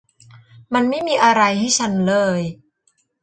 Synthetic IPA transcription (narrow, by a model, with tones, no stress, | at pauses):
ma˧nma˥˩jmiː˧ʔa˧ɾa˧jha˥˩jt͡ɕʰa˦˥nlɤː˧j